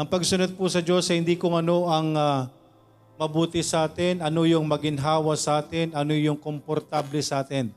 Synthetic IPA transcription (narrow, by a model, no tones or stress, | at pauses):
ʔɐŋpɐɡsʊnod̪̚pusɐd͡ʒo̞sɐjhɪnd̪iːkʊŋɐno̞ʔɐŋa | mɐbuːt̪ɪsɐʔaːt̪ɪnʔɐnojʊŋmɐɡɪnɦaːwɐsɐʔaːt̪ɪnʔɐnojʊŋkompoɾt̪ablɛsɐʔaːt̪ɪn